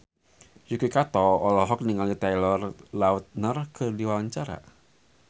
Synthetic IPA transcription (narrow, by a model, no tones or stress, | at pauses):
jukwikat̪ɔɔlɔɦɔk̚niŋalit̪ajlɔrlaʊt̪̚nərkərdiwawaɲt͡ʃaɾa̰